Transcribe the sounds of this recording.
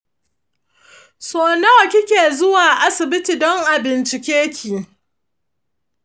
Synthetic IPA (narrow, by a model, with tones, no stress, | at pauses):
soː˨nɐ˦wkʲɪ˦kʲeː˨zʊ˦waː˨ʔa˦sɪ˨bɪ˦tiː˨dɔ˦ŋʔa˨bɪ˨nt͡ʃɪ˨kʲeː˦kʲʰiː˨